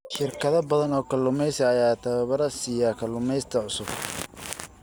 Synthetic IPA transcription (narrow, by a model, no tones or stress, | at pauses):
ʃɪrkʰɐðɐbɐðɐnɔːkʰɐlːʊmɛjsɐɐjaːt̪ʰɐβɐβɐɾɐsɪjaːkʰɐlːʊmɛjst̪ʰɐʕʊsʊb̚